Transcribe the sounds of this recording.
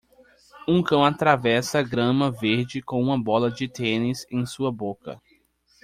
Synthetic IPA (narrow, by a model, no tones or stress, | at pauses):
ũkɐ̃w̃at̪ɾavɛsɐːɡɾɐ̃mɐveɾd͡ʒɪkõũmɐbɔlɐd͡ʒɪt̪ẽnɪzẽj̃suɐbokɐ̰